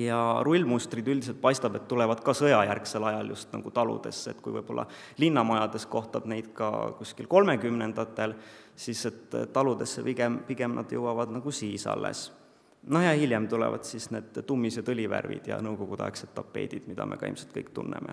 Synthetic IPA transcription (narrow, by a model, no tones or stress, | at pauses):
jɑrulʲːmust̪rid̪ylʲd̪iselt̪̚pɑjst̪ɑb̥et̪ːulɛvɑd̪̥kɑsɤjɑjærkse̞lɑjɑljust̪nɑɡ̥ut̪ɑlṵd̪̥e̞̰sːḛt̪ːkujvɤjb̥o̞lːɑ̰ | linːɑmɑjɑd̪̥e̞sko̞ht̪ɑb̥ne̞jd̪̥kɑ̰kusʲkilko̞lme̞kymnend̪̥ɑt̪ːˑe̞l | sise̞t̪ːɑlud̪e̞sːepiɡempiɡ̥e̞mnʔɑ̰d̪̥jɤwɑvɑd̪̥nɑɡ̥usiːsɑ̰lːḛs | noheɑhilʲjemt̪ulɛ̰vɑ̰d̪̥sisneːd̪̥t̪ːumːisjɑt̪ɤlʲivæ̰rvḭd̪̥jɑ̰nɤwko̞ɡ̥ut̪ɑ̰eksed̪ɑpːˑe̞̰ːd̪̥id̪̥mid̪̥ɑmḛkɑ̰ḭmselt̪kɤ̰jk̚t̪ṵnːḛmḛ